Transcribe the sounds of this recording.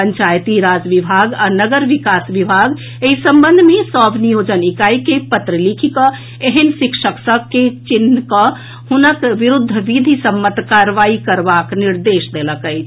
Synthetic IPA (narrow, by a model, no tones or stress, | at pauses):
əɲt͡ʃajt̪iɾad͡ʒʋibʱaɡanəɡəɾʋikasʋibʱaɡ | eisəmbənd̪ʱmesɔbnijod͡ʒənikaikepət̪ɾəlikʰikə | eɦənsikʃəksəkːet͡ʃinːkə | hunəkʋiɾud̪ʱːəʋid̪ʱisəmːət̪kaɾʋaikəɾbakniɾd̪eʃd̪eləkəjt͡ʃʰ